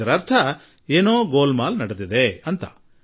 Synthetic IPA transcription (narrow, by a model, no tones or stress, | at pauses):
ɐɾɐɾt̪ʰɐ | eːnoːɡoːlmaːlnɐɽed̪id̪eɐnt̪ɐ̰